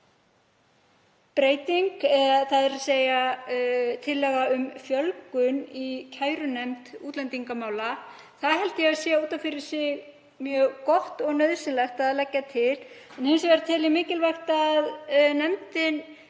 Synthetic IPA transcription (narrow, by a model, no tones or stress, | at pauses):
pɾeːjt̪iŋkɛθaðɛɾaseːja | t̪ʰɪlːɛɣaʏmfjœlkʏnicʰaːjɾʏnɛmt̪uːt̪lɛnt̪iŋkamaːwla | θaðɦɛlt̪ɪjɛaðsjɛuːt̪amfɪɾɪ̥sɪɣ | mjœːɣkɔht̪ɔɣnœðsɪnlɛxt̪aðlɛcːat̪ʰɪlɛnhɪnsvɛɾt̪ʰɪlɪɣmɪːcɪlvajxt̪aðnɛmt̪ɪn